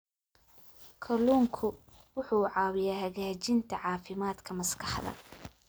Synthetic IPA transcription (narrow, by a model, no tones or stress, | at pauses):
kʰɐluːŋkʰʊ | wʊħuːʕɑːwɪjaːhɐɣaːt͡ʃɪnt̪ʰɐʕɑːfɪmaːd̪kʰɐmɐskʰɑħd̪ɐ̰